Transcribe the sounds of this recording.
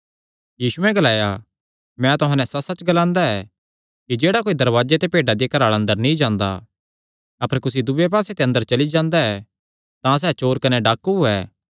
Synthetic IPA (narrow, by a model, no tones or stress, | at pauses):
jiːsuɛ̃ɡɐlaːja | mɛ̃t̪ʊɦãːnɛ̃sɐsɐt͡ʃɡɐlãːnd̪aɛ | kid͡ʒeːɽakoːid̪ɐɾʋaːd͡ʒet̪epeːɖad̪ikɐɾaːɭɐ̃nd̪əɾnĩd͡ʒãːnd̪a̰ | ɐpəɾkʊsid̪ʊbep̬aːset̪eɐ̃nd̪əɾt͡ʃɐlid͡ʒãːnd̪aɛ | t̪ãs̬ɛːt͡ʃoːɾkɐnɛɖaːkːɦʊɛː